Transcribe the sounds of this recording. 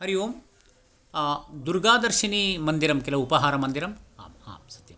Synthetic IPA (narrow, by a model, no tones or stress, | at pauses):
ɦɐɾijoːm | d̪uɾɡaːd̪ɐɾʃinimɐnd̪iɾɐmkilɐupɐɦaːɾɐmɐnd̪iɾɐma̰ːma̰ːmsɐ̥t̪jɐm